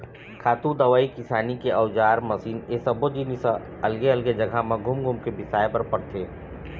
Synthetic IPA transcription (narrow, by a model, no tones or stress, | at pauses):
kʰaːt̪ũd̪ɐʋaːikɪsaːnikeʔɐʊd͡ʒaːɾmɐsiːnesɐbod͡ʒinis | ɐlɡeɐlɡed͡ʒɐɡʱamãɡʱʊmɡʱʊmkebɪsaːjpɐɾpɐɽt̪ʰeː